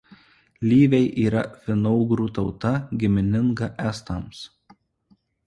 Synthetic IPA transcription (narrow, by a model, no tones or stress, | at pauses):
lʲiːʋʲɛɪʔiːɾɐfʲɪnɔʊɡɾuːt̪ɒʊt̪ɐɡʲɪmʲɪnʲɪŋɡɐʔæːst̪ɐms